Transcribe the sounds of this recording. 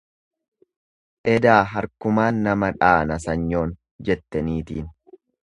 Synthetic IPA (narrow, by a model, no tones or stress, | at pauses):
ʔɛd̪aːɦɐɾkʊmaːnːɐmɐᶑaːnɐs̬ɐɲːo̞ːn | d͡ʒɛt̪ːɛniːt̪iːn